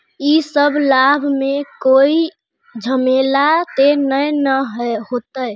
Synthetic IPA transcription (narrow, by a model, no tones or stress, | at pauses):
isəbʱlabʱmekoi | d͡ʒʱəmelat̪enəjnəɦhot̪əj